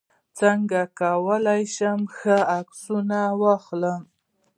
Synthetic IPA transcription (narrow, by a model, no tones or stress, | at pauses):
t͡saŋɡakawəlajʃəmxəaksunawaxləm